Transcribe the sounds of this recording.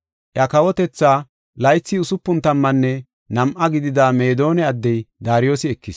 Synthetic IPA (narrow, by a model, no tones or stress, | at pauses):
ʔjɐkɐwɔt̪ɛt͡sːaː | lɐjt͡sːiʊsʊpːʊnt̪ɐmːɐnːɛ | nɐmʔɐɡɪd̪ɪd̪aːme̞ːd̪o̞ːnɛɐd̪ːɛjd̪aːɾɪjoːsɪɛkːɪs